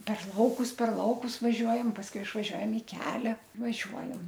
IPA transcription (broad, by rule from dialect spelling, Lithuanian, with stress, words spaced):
pʲɛr ˈlˠɐʊkʊs pʲɛr ˈlˠɐʊkʊs ʋɐˈʒʲuɔjɛm pɐsˈkʊɪ ɪʃʋɐˈʒʲuɔjɛm ɪ ˈkʲæːlʲɛ ʋɐˈʒʲuɔjɛm